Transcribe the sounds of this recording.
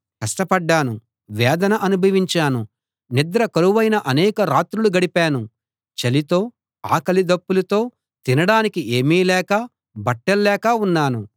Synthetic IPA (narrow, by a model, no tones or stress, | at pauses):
kɐsʈɐpɐɖːaːnu | ʋɛːd̪ɐnɐʔɐnubʱɐʋiɲt͡ʃaːnu | nid̪ɾɐkɐɾuʋɐjnɐʔɐnɛːkɐɾaːt̪ɾuluɡɐɽipaːnu | t͡ʃɐlit̪o̞ː | a̰ːkɐlid̪ɐpːulɐt̪o̞ː | t̪inɐɽaːnikiʔeːmiːlɛːkɐ | bɐʈːɛlːɛːkɐunːaːnu